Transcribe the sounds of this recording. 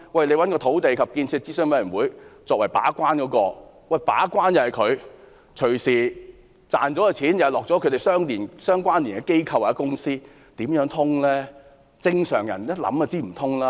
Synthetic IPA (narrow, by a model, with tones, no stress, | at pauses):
wɐ˨jle˧jwɐ˨˥nkɔː˧t̪ʰo˨˥wt̪e˨jkʰɐ˨p̚kiː˧nt͡sʰiː˧t͡si˥sœ˥ŋpe˨˧˥nwuː˨˥jt͡sɔː˨k̚wɐ˨˩jpa̰ː˨˥kʷaː˥nkɔː˨˥kɔː˧ | wɐ˨jpa̰ː˨˥kwaː˥njɐ˨kʰɵ˨˧ɥ | t͡ʃʰɵ˨˩ɥsiː˨˩ | t͡sa̰ː˨nɔː˨˥a˨˧t͡sʰiː˨˥njɐ˨˩lɔː˨k̚ɔː˨˥kʰɵ˨˧ɥt̪e˨jsœː˥ŋliː˨˩nsœː˥ŋkʷwaː˥nliː˨˩nkɛ˧ke˥jkʰɐ˧waː˨˩jɛ˥kʊ˥ŋsiː˥ | t̪iː˨˥mjœː˨˥ŋt̪ʰʊ˥ŋlɛː˥ | t͡sɪ˧ŋsœː˨˩ŋjɐ˨˩njɐ˥t̚lɐ̰˨˥ma˧t͡siː˥˩m̩˨˩t̪ʰʊ˥ŋlaː˦